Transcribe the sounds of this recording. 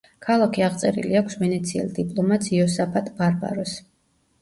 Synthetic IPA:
kʰalˠakʰiaʁt̪sʼɛɾḭliakʰsvɛnɛt̪sʰiɛ̰lˠd̪ipʼlˠɔmat̪siɔsapʰat̪ʼbaɾba̰ɾɔs

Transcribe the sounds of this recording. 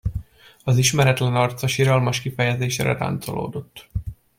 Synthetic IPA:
ɒziʃmɛɾɛt̪lɛnɒrt̪sɒʃiɾɒlmɒʃkifɛjɛzeːʃɛɾɛ̰ɾa̰ːnt̪so̰lo̰ːd̪o̞t̪ː

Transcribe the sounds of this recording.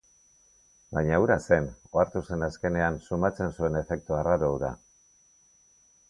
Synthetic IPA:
bajɲauɾase̞noaɾt̪use̞naske̞ne̞ansumat͡se̞nsue̞ne̞fe̞k̚t̪uaraɾouða̰

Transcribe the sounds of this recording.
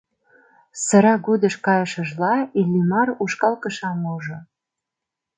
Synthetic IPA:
sə̆ɾɑɡud̪ə̆ʃkɑjəʃə̆ʒlɑilʲːimɑruʃkɑlkə̆ʃɑmuʒo

